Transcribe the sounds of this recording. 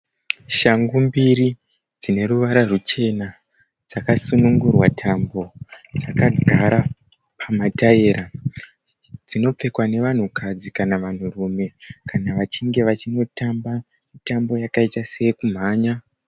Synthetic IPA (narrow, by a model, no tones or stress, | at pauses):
ʃaŋɡumbiɾi | d͡zine̞ɾuʋaɾarut͡ʃe̞na | d͡zakasunuŋɡurwatʰambo̞d͡zakaɡʱaɾa | pʰamatae̞ːɾa | d͡zino̞p͡fe̞kwane̞ʋan̤ukʰad͡zikanaʋan̤urume̞kanaʋat͡ʃiŋɡe̞ʋat͡ʃino̞tamba | mitambo̞jakaitasejekum̤aːɲa